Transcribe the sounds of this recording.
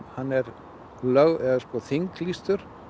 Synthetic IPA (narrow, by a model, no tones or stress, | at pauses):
hanːɛɾ | lœɣɛɣðaskɔθiŋklist̪ʏɾ̥